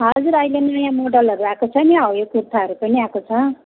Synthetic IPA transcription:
ɦʌd͡zuɾʌjlenʌjãmoɖʌlʌɾuakot͡sʰʌniɦʌwjokurt̪ʰaɦʌɾupʌniakot͡sʰʌ

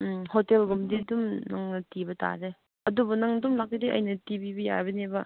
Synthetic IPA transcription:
hotelɡumdidumnɐŋnɐtibɐta̰ɾe | ɐdubunɐŋdumlak̚ːideʔɐ̰jnɐtibibija̰jbɐnebɐ

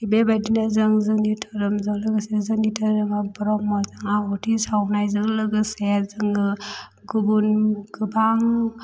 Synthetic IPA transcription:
ibebajdinazɯŋzɯŋitʰaɾɯmzɯŋlɯɡɯsezɯŋɡitʰaɾɯmabɔɾɔmːɔzɯŋaɔtʰisawnajzɯŋlɯɡɯsezɯŋɯ | ɡubunɡɯbaŋ

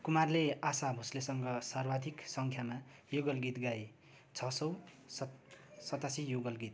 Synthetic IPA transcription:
kumarleasabʱuslesʌŋɡʌsarbad̪ʱiksʌŋkʰjama | joɡʌlɡit̪ɡaj | t͡sʰʌsʌw | ssʌt̪asijoɡʌlɡit̪̚

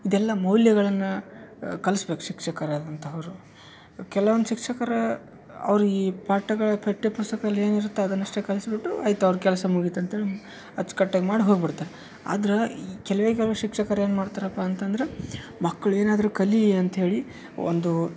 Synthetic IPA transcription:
id̪ɛlːɐmɐwljɐɡɐɭɐnːukɐlsbe̞ːku̥ʃikʂɐkɐɾaːd̪ɐnt̪ʰɐɐʋɐɾu | kɛlɐʋɐnduʃikʂɐkɐɾɐ | ɐ̰ʋɐɾuiːpaːʈːɐɡɐɭɐpʰeʈːepust̪ɐkɐd̪ɐlːe̞ːniɾut̪ːeɐd̪ɐnːɐʂʈekɐlɐsbiʈːuaːjt̪uɐʋɾukɛlɐsɐmuɡit̪ɐnt̪ɦeːɭi | ɐt͡ʃːkɐʈːaɡmaːɽiɦoɡbiɽt̪aːɾe | a̰ːd̪ɐɾekɛlɐʋeːk̬ɛlɐʋeʃikʂɐkɐɾɐeːnmaːɽt̪aːɾɐpːaːnt̪ɐnd̪ɐɾemɐkːɐɭue̞ːnaːd̪ɐɾukɐliɐnt̪ɐɦe̞ːɭi | o̰nd̪u

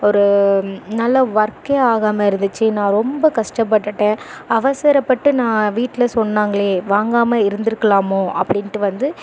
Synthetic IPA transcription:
ɔɾɯnɐlːɐʋɐɾkeaːɣaːmɐɪɾɯnd̪ɯt͡ʃːɯnãːɾɔmbɐkɐʂʈɐp̬ːɐʈːɯʈːẽːɐʋɐsɐɾɐpːɐʈːɯnãːʋiːʈːlɐsɔnːaːŋɡɐɭeːʋaːŋɡaːmɐɪɾɯnd̪ɪɾɯkːɐɭaːmõːʔɐ̰pːɐɽɪnʈːɯʋɐnd̪ɯ

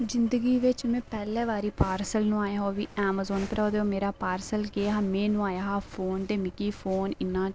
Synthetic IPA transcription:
d͡ʒɪnd̪əɡiːʋɪt͡ʃmɛ̃ːpɛːlɛːʋaːɾiːpaːɾsəlnũːaːjaːɦoːʋḭːɛːmaːzoːnkəɾɔːd̪eːoːmeːɾaːpaːɾsəlkeːɦaːmɛ̃ːnũːaːjaːɦaːpʰoːnd̪eːmɪkiːfʰoːnɪnːãː

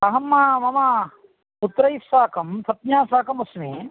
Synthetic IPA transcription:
ɐɦɐmːaːmɐmɐ | ut̪ɾɐjissaːkɐmsɐt̪̚ɲaːsaːkɐmɐsmiː

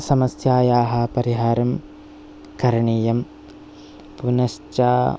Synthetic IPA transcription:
sɐmɐsjaːjaːɦɐpɐɾiɦaːɾɐm | kɐɾɐɳiːjɐm | punɐʃt͡ʃaː

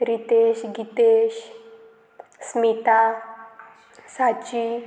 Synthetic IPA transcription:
ɾit̪eɕɡit̪eɕ | smit̪a | sat͡ɕi

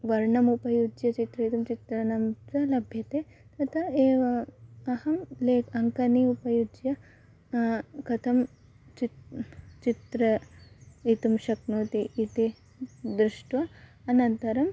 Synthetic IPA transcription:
ʋɐɾɳɐmupɐjud͡ʒjɐt͡ʃit̪ɾɐit̪umt͡ʃit̪ɾɐnɐmt͡ʃɐlɐbʱjɐt̪eː | t̪ɐt̪ʰɐeːʋɐɐhɐmleːkʰɐŋkɐniupɐjud͡ʒjɐ | kɐt̪ʰɐm | t͡ʃi | t͡ʃit̪ɾɐ | it̪umʃɐknuːt̪iʔːt̪i | d̪ɾuʂʈʋɐɐnɐnt̪ɐɾɐm

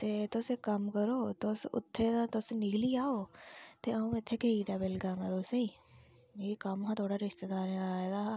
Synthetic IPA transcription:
t̪eːt̪oːsekɐmkəɾoːt̪osʊ̰t̪ʰːed̪at̪osnɪkliaːoːt̪eɐũɪt̪ʰːekeiɖɐbəlɡaːnãd̪oːseĩ | jekɐmɦãt̪ʰoːɽaɾɪʃt̪əd̪aːɾeaaːed̪a

